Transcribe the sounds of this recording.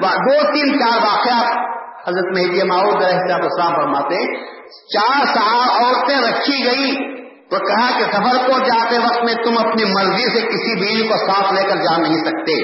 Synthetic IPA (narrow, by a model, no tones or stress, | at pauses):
ad̪oːt̪iːnt͡ʃaːɾʋaːqjaːt̚hɐzɾət̪mɐɦid̪jamaːuːd̪ɡɐɾɐɦɪsaːbɐslaːmfɐɾmaːt̪eɦɛ̃ | t͡ʃaːɾsaaɔːɾt̪ẽɾɐkʰiɡɐi | t̪okɐɦakesɐfəɾpod͡ʒaːt̪eʋɐq̚t̪mẽt̪ʊmɐpnimɐɾzisekɪsibiːd͡ʒĩkosaːt̪ʰleːkəɾd͡ʒaːnːɐɦĩsɐk̚t̪eː